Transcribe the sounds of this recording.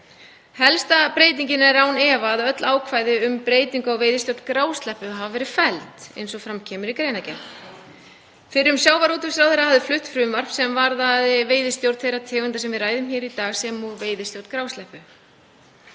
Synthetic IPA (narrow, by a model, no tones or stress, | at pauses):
hɛlst̪apɾeːjt̪̬iɲcɪnaɛɾaːwnɛːvaðœt̪laːwkʰvaːjðɪʏmpɾeːjt̪iŋkawveːjðɪst̪jowɾt̪kɾaːwst̪lɛhpʏɦavavɛːɾɪfɛlt̪ḛjnsɔfɾamcʰɛːmʏɾikɾeːjnacɛ | fɪɾɪɾʏmsjaːwvaɾuːt̪ʏmsɾawθɛɾːahavðɪflʏht̪fɾʏmvar̥psɛmvaɾðaðɪveːjðɪst̪jowɾt̪θejɾat̪ʰɛːɣʏnt̪asɛmvɪðraːjðʏmçɛːɾit̪aːɣsɛmuveːjðɪst̪jowɾt̪kɾaːwst̪ɛhpʏ